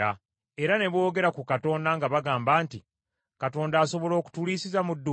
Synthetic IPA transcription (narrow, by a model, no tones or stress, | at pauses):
a | e̞ɾane̞βo̞ːɡe̞ɾakukato̞ːndaŋɡaβaɡaːmbaːnti | kato̞ːndaːso̞βo̞lo̞ːku̥tuliːsizamudːu